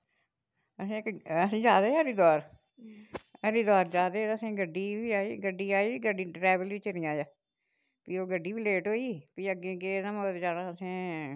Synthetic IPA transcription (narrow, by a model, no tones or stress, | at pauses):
əsĩːkəsĩːd͡ʒaːd̪aːəːɾiːd̪aːɾ | əɾiːd̪aːɾd͡ʒaːd̪eːt̪ːəsẽːɡəɖːiːʋiːaːiːɡəɖːiːaːiːɡəɖiːɖɾɛːʋəlɪt͡ʃnĩːaːjaː | piːoːɡəɖːiːpileːʈɦoːiːpiːəɡẽːɡeːd̪ãːmoːt̪ːd͡ʒaːɽãːəsẽː